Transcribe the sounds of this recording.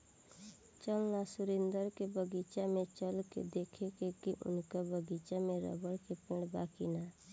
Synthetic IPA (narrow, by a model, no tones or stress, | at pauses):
t͡ʃəlnasʊɾɪ̃nd̪əɾkebəɡiːt͡ʃamẽt͡ʃəlkḛd̪eːkʰekekiʔʊ̰nkabəɡiːt͡ʃamẽɾə̰bəɽkepɪɽbaːkina